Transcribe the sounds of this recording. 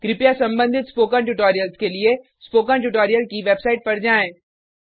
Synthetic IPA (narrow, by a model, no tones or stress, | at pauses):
ɡ̥ɾɪpjasɐ̃mbə̃nd̪ʱɪt̪spoːkãɳʈʊʈoːɾijəlskelie | spoːkãʈuʈ̬oːɾijəlkiʋeːbsaːɪʈ̚pɐɾd͡ʒaːẽː